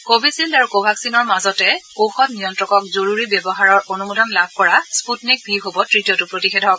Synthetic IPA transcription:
kobʱisildaɹukobʱaksinɔɹmazɔtɛkowxɔtnijɔntɹɔkɔkzoɹuɹibɛbɔɦaɹɔɹonumudɔnlabʱkɔɹasputnik̚bʱiɦobɔtɹitijɔtʊpɹotixedʱɔk

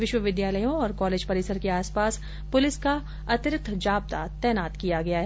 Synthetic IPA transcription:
ʋɪʃwəʋɪd̪jaːləjõɔːɾkɔːleːd͡ʒpɐɾiːsəɾkeaːspaːs | pʊlɪska | ɐt̪ɾɪk̚t̪ʰd͡ʒaːb̚t̪a̰t̪ɛːnaːt̪kijaɡɐjaɦɛː

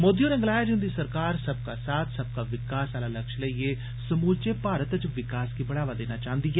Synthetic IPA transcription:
moːd̪ijõɾə̃ŋɡlaːjaːd͡ʒɪnd̪isəɾkaːɾsəb̚kaːsaːt̪ʰsəb̚kaːʋɪkaːsaːlaːləkʃləieː | səmuːlt͡ʃepaːɾət̪t͡ʃʋɪkaːskibəɽaːʋaːd̪eːnaːt͡ʃãːnd̪iɦɛː

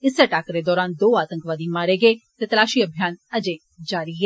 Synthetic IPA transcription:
ɪseʈaːkɾed̪ɔːɾaːnd̪oːaːt̪ə̃ŋkʋaːd̪iːmaːɾeːɡeːt̪et̪əlaːʃiːəbʱjaːnəd͡ʒeː | d͡ʒaːɾiɦɛː

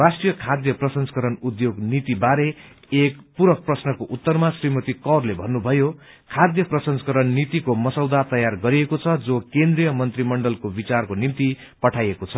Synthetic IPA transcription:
rasʈrijʌkʰad̪jʌprʌsʌnskʌɾʌnud̪joɡnit̪ibaɾe | ekpuɾʌk̚prʌsnʌkoʔut̪ːʌrmasrimʌt̪ikʌrlebʱʌnːubʱʌjo | kʰad̪jʌprʌsʌnskʌɾʌnːit̪ikomʌsʌwd̪at̪ʌjarɡʌɾiekot͡sʰʌd͡zokend̪rijʌmʌnt̪rimʌɳɖʌlkobit͡sarkonimt̪i | pʌʈʰajekot͡sʰʌ

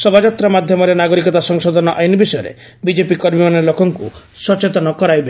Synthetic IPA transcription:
sɔbad͡ʒat̪ɾamad̪ʱjɔmɔɾenaɡɔɾikɔt̪asɔŋsɔd̪ʱɔnɔʔajnibisɔjɔɾḛ | bid͡ʒepikɔɾmimanelokɔŋkṵ | sɔt͡ʃet̪ɔnɔkɔɾajbe

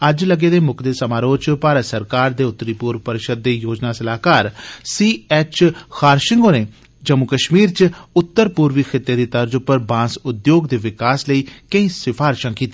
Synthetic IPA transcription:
əd͡ʒləɡeːd̪eːmʊkʰd̪eːsəmaːɾoːt͡ʃpaːɾəsəɾkaːɾd̪eːʊt̪ːəɾiːpuːɾpəɾɪʃəd̪̚ːeːjoːd͡ʒnaːsəlaːkaːɾsiːɛːt͡ʃkʰaːɾʃɪŋɡoːnẽː | d͡ʒəmukəʃmiːɾt͡ʃʊt̪ːəɾpuːɾʋiːkʰɪt̪ːeːd̪iːt̪əɾd͡ʒʊpəɾbãːsʊd̪joːɡd̪eːʋɪkaːsləiːkəĩːsɪpʰaːɾʃãːkiːt̪iː

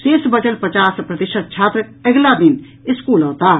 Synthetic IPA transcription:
seːsbɐd͡ʒəlpɐt͡ʃaːspɾɐd̪ɪʃəd̪̚t͡ʃʰaːt̪ɾəɛɡlad̪ɪn | ɪskuːloɦt̪aː

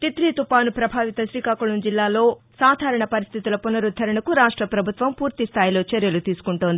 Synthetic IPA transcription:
t̪it̪ɾiːt̪upaːnupɾɐbʱaːʋit̪ɐsɾiːkaːkulund͡ʒilːaːlo̞ːsaːd̪ʱaːɾɐɳɐpɐɾist̪ʰit̪ulɐpunɐɾud̪ʱːɐɾɐɳɐkuɾaːʂʈɾɐpɾɐbʱut̪ʋɐmpuːɾt̪ist̪ʰaːjilo̞ːt͡ʃɐɾjɐlut̪iːsu̥kuɳʈoːnd̪i

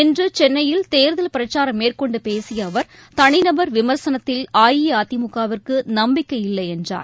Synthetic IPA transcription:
ɪndrɯt͡ʃɛnːɐjɪlt̪eːɾðɐlpɪɾɐt͡ʃːaːɾɐmːeːrkɔɳɖɯpeːsɪjɐːʋɐɾ | t̪ɐɳɪnɐbɐɾʋɪmɐɾsɐnɐt̪ːɪlaːjijɐaːt̪ɪmʊkːaːʋɐrkɯnɐmbɪkːɐjɪlːɐɪɛndra̰ːɾ

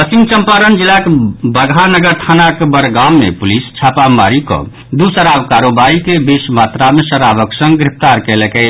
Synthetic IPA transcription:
əsiŋɡt͡ʃəmpaɾənd͡ʒilakebəɡʱanəɡəɾt̪ʰanakebəɾɡamːḛpulist͡ʃʰapamaɾikɔ̰ | d̪usəɾabkaɾobaikebesmat̪ɾamesəɾabəksə̃ŋɡɡɾip̚ʰt̪aɾkɛlɛkɛ

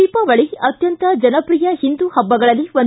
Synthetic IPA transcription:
ipɐʋɐɭiɐt̪jɐnt̪ɐd͡ʒɐnɐpɾijɐhind̪uhɐbːɐɡɐɭɐlːiʋon

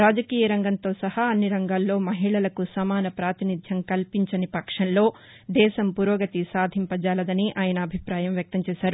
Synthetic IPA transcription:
ɾaːd͡ʒɐkiːjɐɾɐŋɡɐnt̪o̞ːsɐhɐɐnːiɾɐŋɡaːlːo̞ːmɐɦiɭɐlɐkusɐmaːnɐpɾaːt̪inid̪ʱjɐmkɐlpiɲt͡ʃɐnipɐkʂɐnlo̞ː | d̪ɛːʃɐmpuɾoːɡɐt̪isaːd̪ʱimpɐd͡ʒaːlɐd̪ɐniʔaːjɐnɐːbʱipɾaːjɐmʋjɐk̚t̪ɐmt͡ʃɛːʃaːɾu

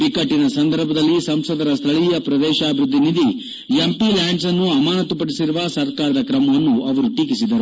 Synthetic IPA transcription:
pikɐʈːinɐsɐnd̪ɐɾbʱɐd̪ɐlːisɐmsɐd̪ɐɾɐst̪ʰɐɭijɐpɾɐd̪ɛːʃaːbʱiɾud̪ʱːinid̪i | jempilaːɳɖsɐnːuɐmaːnɐt̪upɐɽisiɾuʋɐsɐɾkaːɾɐd̪ɐkɾɐmɐʋɐnːuʔɐʋɐɾuʈikisid̪ɐɾu

